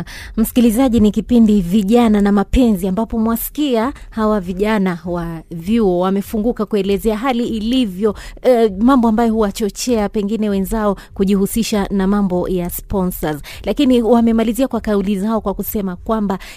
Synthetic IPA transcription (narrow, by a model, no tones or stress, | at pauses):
m̩si̥kilizaʄinikipindiviʄananamapɛnziambapɔmwasi̥kiahawaviʄanawavjuɔwamɛfuŋɡukakuɛlɛzɛaɦaliːlivjɔ | mambɔambajɔhuwat͡ʃɔt͡ʃɛapɛŋɡinɛwɛnzaɔ | kuʄihusiʃanamambɔjaspɔnsazlakiniwamɛmaliziakwakaulizaɔkwakusɛmakwamba